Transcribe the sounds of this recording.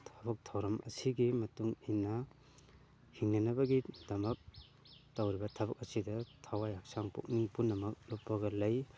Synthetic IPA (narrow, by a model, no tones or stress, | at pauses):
tʰɐbɐk̚tʰɐwɾɐmʔɐ̰siɡimɐtuŋinɐ | hiŋnɐnɐbɐɡidɐmɐk̚ | tawɾibɐtʰɐbɐk̚ɐsidɐtʰawajhak̚saŋpo̰k̚niŋpunːɐmɐk̚lop̚pːɐɡɐlɐj